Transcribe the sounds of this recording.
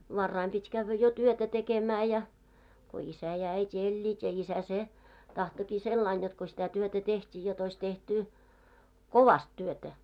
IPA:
ʋɑrːɑim pitʲ kæʋːæ jo tyøtæ tekemæː jɑ ko isæ jɑ æitʲi elʲːiːt jɑ isæ se tɑhtoki selːɑin jot ko sitæ tyøtæ tehtʲiː jot ois tehtu koʋɑst tyøtæ

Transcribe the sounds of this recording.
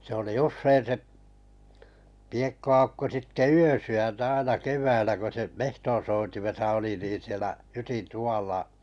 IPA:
se oli usːein seʔ piekːoɑ̥ukːo sitːe yøsyæntæ ɑinɑ keʋˑæilːæ ko se mehton̞soitimesɑ oli niːn sielæ hytin tuw̆ɑˑlːɑ

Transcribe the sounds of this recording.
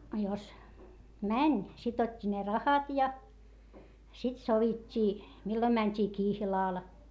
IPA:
ɑ jos mænʲ sit otʲːi ne rɑhɑt jɑ sit soʋitʲːiː milːom mænʲtʲiː kihlɑˑl

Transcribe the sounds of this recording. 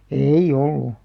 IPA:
eij̆ olːu

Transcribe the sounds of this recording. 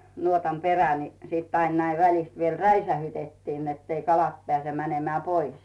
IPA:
nuotɑm peræ ni sit ɑin næiʋ ʋælist ʋiel ræisæhytetːin netː ei kɑlɑt pĕæˑse mænemĕæˑ pois

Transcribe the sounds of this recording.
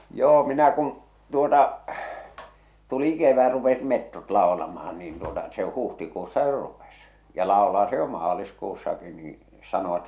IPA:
joː minæ kun̞ tuotɑ tuli keʋæ rupesit metːot lɑolɑmɑhɑn niːn tuotɑ se huhtikuːsːɑ jo rupes jɑ lɑˑolɑː se jo mɑːliskuːsːɑki niː sɑnoʋ̆ɑ̆t

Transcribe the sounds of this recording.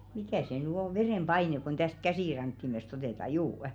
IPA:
mikæˑ se nyˑ o ʋereˑmb̥ɑinek̆ kon tæst kæsiˑrɑŋkːimest oteˑtɑ juːə̆

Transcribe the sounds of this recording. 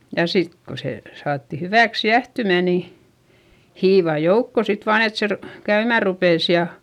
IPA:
jɑ sit ko se sɑːtːi hyʋæˑks jæhtymæˑ ni hiːʋɑˑ joukːo sit ʋɑːn et se ru kæymæˑ rupeˑs jɑ

